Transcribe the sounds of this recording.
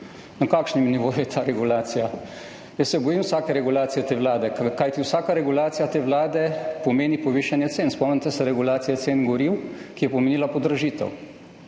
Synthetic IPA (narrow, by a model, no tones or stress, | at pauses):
nɐkaːkʃnimniʋoːjujɛt̪ʰaːɾɛɡulaːt̪sija | jəsːɛbɔjimwsaːkɛɾɛɡulaːt̪sijɛt̪eːʋlaːd̪ɛkajt̪iwsaːkaɾɛɡulaːt̪sijat̪eːʋlaːd̪ɛpɔmeːnipɔʋiʃanjɛt̪seːnspɔmnʲit̪ɛsɛɾɛɡulaːt̪sijat̪seːnɡɔɾiwkijɛpɔmeniːlapɔd̪ɾɐʒiːt̪ɛ̰w